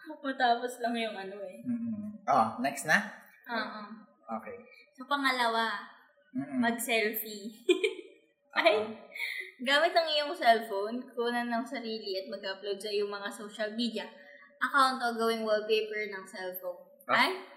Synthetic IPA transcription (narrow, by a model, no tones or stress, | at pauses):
ɐmɐt̪aːposlɐŋjʊŋʔɐno̞ɛm̩ːʔonɛksnɐ | ʔoːʔo | ʔokɛjsopɐŋɐlɐwa | mɐɡ̚sɛlfi | ʔʔaj | ɡaːmɪt̪ɐŋɪjoŋsɛlfownkuʔnɐnɐŋsɐɾiːliɐt̪̚mɐɡʔaplowd̪̚sɐjʊŋmɐŋasoːʃɐlmiːd̪ɪɐ | ʔɐkawnt̪oɡɐwɪŋwɛl̚pejpɛɹnɐŋsɛlfown | ʔʔaj